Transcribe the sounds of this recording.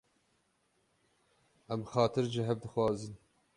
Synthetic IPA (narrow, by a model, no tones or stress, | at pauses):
ʔɛmxɑːt̪ʰɨɾʒɪɦɛvd̪ɨxwɑːzɨn